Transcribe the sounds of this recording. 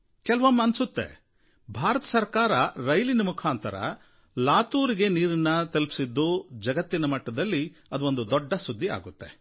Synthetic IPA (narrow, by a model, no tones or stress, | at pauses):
kɛlɐʋɐmɐnsut̪ːe̞̰ | bʱaːɾɐt̪ɐ̥sɐɾkaːɾɐɾɐjlinɐmukʰaːnt̪ɐɾɐ̰ | laːt̪uːɾiɡe̞niːɾinːɐt̪ɐlpi̥sid̪ːud͡ʒɐɡɐt̪ːinɐmɐʈːɐd̪ɐlːiɐd̪uond̪ud̪ɔɖːɐsud̪ʱːia̰ːɡut̪ːe̞̰